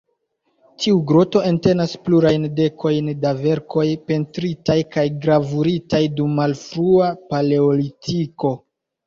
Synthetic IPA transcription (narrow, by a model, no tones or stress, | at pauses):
tʰiuɡɾoto̞e̞nte̞naspluɾajnde̞kʰo̞jndave̞ɾko̞jpe̞ntɾitajkajɡɾavuɾitajdumːalfɾuapaleolitʰiko̞